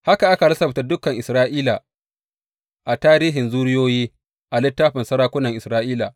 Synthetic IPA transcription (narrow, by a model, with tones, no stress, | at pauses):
ha˦ka˨ʔa˦ka˨lɐ˦sɐ˨ɸta˨dʊ˦kɐ˨ŋʔɪ˨sɾaː˦ʔiː˦la̰ː˨ | ʔa˨taː˦ɾiː˦ɦɪ˨nzuː˦ɽɪ˦joː˦jiː˦ | ʔa˨lɪ˦tːaː˦ɸɪ˨nsɐ˦ɾaː˦kʷʊ˦nɐ˨ŋʔɪ˨sɾaː˦ʔiː˦la̰ː˨